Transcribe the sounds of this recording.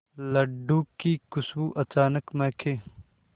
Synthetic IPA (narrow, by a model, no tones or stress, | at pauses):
lɐɖːuːkːiːkʊswuʔɐt͡ʃaːnəkmẽːkʰeː